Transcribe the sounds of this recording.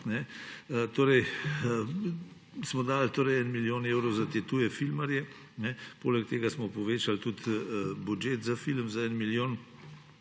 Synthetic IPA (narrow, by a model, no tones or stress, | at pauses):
nɛət̪oːɾɛj | smɔd̪aːlt̪oːɾɛjɛnmiljoːneːwɾɔwzat̪et̪uːjɛfilmaɾjɛ | nɛpo̰ːlɛk̚t̪eːɡasmɔpɔʋeːt͡ʃalt̪ut̪bud͡ʒjeːt̪zafilmzaɛnmiljoːn